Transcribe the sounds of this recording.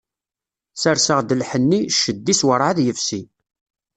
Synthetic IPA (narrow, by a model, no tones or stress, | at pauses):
səɾsəʁd̪əlħənːiʃːəd̪ːiswəɾˤʕaðjəfsi